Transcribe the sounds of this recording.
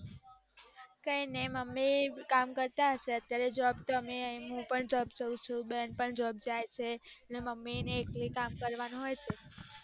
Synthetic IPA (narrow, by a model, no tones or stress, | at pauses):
kəineməmːikamkəɾt̪aɦəʃeət̪jaɾed͡ʒəɔbt̪omiəɦĩɦũpəɳd͡ʒɔbd͡ʒəũt͡ʃʰũbenpəɳd͡ʒɔb̚d͡ʒajt͡ʃʰeəneməmːineːklikamkəɾʋañɦojt͡ʃʰe